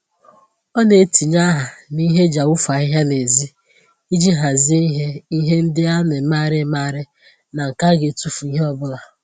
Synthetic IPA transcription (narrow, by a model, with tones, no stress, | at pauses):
ɔ˦ne˨˦ti˨ɲa˦ɦa˨ni˦ɦe˦d͡ʒa˨ʊ˦fa˨ɪ˦ɦa˦ne˨zi˦ | i˦d͡ʒi˦ɦa˨zi˦i˦ɦe˦i˦ɦe˦n̩˦dɪ˦a˦ne˨˦maː˦ɾɪ˦ma˦ɾɪ˦ | na˨ŋ̩˨ka˦ɡe˨tu˦fu˨i˦ɦe˦ɔ˦bʊ˦la˨